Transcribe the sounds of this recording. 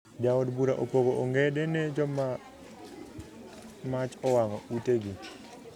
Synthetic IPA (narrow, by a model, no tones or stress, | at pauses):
d͡ʒaɔdbuɾaʔopoɡoʔːŋɡɛdɛnɛd͡ʒɔma | mat͡ʃɔwaŋɔuteɡi